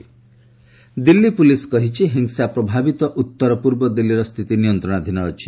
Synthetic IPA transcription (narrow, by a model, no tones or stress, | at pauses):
d̪ilːipuliskɔɦit͡ʃʰiɦiŋsapɾɔbʱabit̪ɔʔut̪ːɔɾɔpuɾbɔd̪ilːiɾɔst̪ʰit̪inijɔnt̪ɾɔɽ̃ad̪ʱinɔːt͡ʃʰi̥